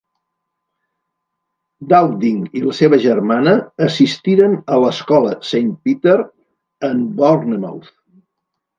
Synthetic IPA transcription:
d̪awd̪iŋiləseβəʒəɾmanəːsist̪iɾənələskɔləsejnt̪̚pit̪eɾ | əmbornəma̰wθ

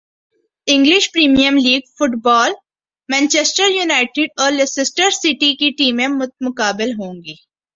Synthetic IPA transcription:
ɪ̃ŋɡlɪʃpɾiːmijəmliːɡfʊʈbɔːl | mɛ̃ːnt͡ʃesʈəɾjuːnaːɪʈɪɖɔːɾlesɪsʈəɾsiʈikiʈiːmẽmmʊkaːbɪlɦõːŋɡiː

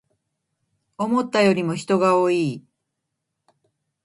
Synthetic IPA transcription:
o̞mo̞t̪ːajo̞ɾʲimo̞çi̥t̪o̞ɡaoːiː

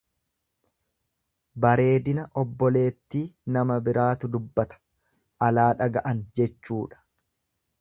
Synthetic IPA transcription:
bɐɾe̞ːd̪ɪnɐʔɔbːɔle̞ːt̪ːiːnɐmɐbɪɾaːt̪ʊd̪ʊbːɐt̪ɐ̥ | ʔɐlaːᶑɐɡɐʔɐnd͡ʒɛt͡ʃːuːᶑɐ̥

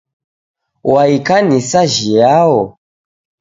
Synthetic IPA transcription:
waikanisaʒijawɔ

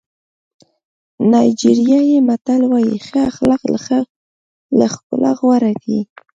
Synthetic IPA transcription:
najd͡ʒiɾjajemat̪alwajixəaxlaqla̰xa | laxkʊ̰lʔa̰ɣwaɾakḭ

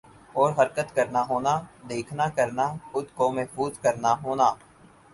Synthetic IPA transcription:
ɔːɾɦəɾkət̪kəɾnaɦoːnad̪eːkʰnakəɾnaʊd̪komɛɦfuːzkəɾnaɦoːnaː

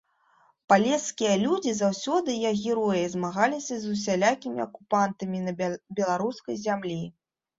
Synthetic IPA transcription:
palʲɛskʲijɐlʲud͡zʲizawsʲɔd̪ɨjaɣʲɛɾɔjizmaɣalʲisʲɐzusʲalʲakʲimʲiɐkupant̪ɐmʲinɐbʲɛlˠaɾuskɐjzʲamlʲi

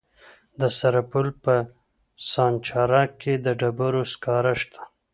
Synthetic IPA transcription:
d̪əsaɾapʊlpə | sɑːnt͡ʃɑɾɑkʰed̪əɖabaɾoskɑɾaʃt̪ʰḁ

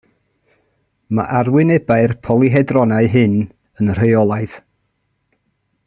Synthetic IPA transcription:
ma̰ʔarwɪnɛbaɨrpʰɔlˠiɦɛdrɔnaɨɦɨn | ənr̥ejɔlˠaɨð̥

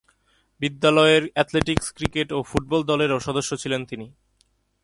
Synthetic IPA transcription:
bid̪ːalɔeɾɛt̪leʈikskɾikeʈofuʈ̚bɔld̪ɔleɾoʃɔd̪oʃːot͡ɕʰilent̪ini

